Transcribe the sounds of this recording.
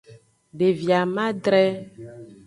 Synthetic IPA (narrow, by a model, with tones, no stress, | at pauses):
ɖe˨vja˨mã˦ɖɾɛ˦